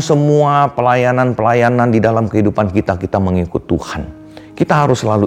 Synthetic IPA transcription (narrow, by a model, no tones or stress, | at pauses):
səmuapəlajananpəlajanandidalamkəɦidupankit̪akit̪aməŋikʊt̪ːṵhan | kit̪aɦaɾʊsəlalu